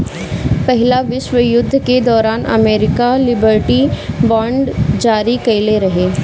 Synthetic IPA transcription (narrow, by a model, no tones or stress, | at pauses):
pɛɦɪlaʋɪʃwəjʊd̪ʱːked̪ɔːɾaːnɐ̰meːɾɪkalɪbəɾʈibɔ̃ːɳɖd͡ʒaːɾikɐɪleɾɐɦeː